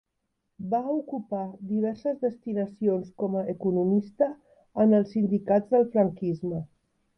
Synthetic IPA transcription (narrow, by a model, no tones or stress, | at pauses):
baukupaðiβ̞ɛɾsəzðəst̪inəsionskɔməːkunumist̪əː | nəlˠsːind̪ikad͡zðəlˠfɾəŋkizmə